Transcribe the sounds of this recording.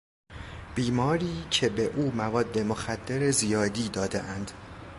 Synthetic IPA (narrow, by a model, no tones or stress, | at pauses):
b̥iːmɒːɾiːcʰe̞be̞ʔuːmævɒːd̪ːe̞moxæd̪ːeɾezijɒːd̪iːd̪ɒːd̪ḛʔænd̪̥